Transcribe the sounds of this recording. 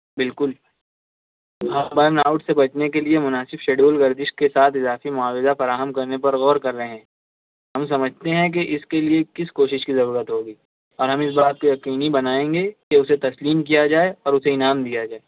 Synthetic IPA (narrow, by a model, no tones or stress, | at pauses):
bɪlkʊl | ɦãːbəɾnaːʊʈsebɐt͡ʃnekeliemʊnaːsɪbʃeːɖuəlɡɐɾd̪ɪʃkesaːt̪ʰɪzaːfimʊaːwɪzafɐɾaːɦəmkɐɾnepɐɾɣɔːɾkɐɾːɐɦeɦɛ̃ː | ɦɐmsɐməd͡ʒʱt̪eɦɛ̃k̬eʔɪskeliekɪskoːʃɪʃkizɐɾuːɾət̪ɦoːɡiː | ɔːɾɦɐ̃mɪs̬baːt̪̚kojɐqiːnibɐnaːẽːŋɡekeʊset̪ɐsliːmk̬ijad͡ʒaːeɔːɾʊseɪnaːmd̪ijad͡ʒaːeː